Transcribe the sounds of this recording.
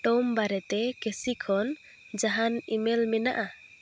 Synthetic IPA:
ʈɔmbaɾɛt̪ɛkɛsikʰɔn | d͡ʒaɦanimɛlmɛnaʔa

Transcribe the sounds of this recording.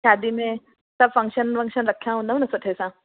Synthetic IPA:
ʃaːd̪imẽ | sɐbfɐ̃ŋkʃənʋɐ̃ŋkʃənɾɐkʰjãɦũːnd̪əɦnɐsoʈʰesã

